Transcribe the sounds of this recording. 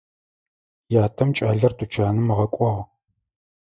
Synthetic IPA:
jaːtʰɐmt͡ʃʼaːɮɐrtʼut͡ʃʰaːnɨmɨʁɐkʷʼɔʁ

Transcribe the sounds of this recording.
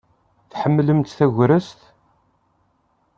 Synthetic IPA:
θħəmːləmt̪θæʝɾəst̪

